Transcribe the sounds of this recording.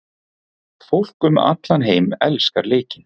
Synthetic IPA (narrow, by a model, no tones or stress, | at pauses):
fowl̥kʏma̰t̪lanɦeːjmɛlskaɾleːcɪn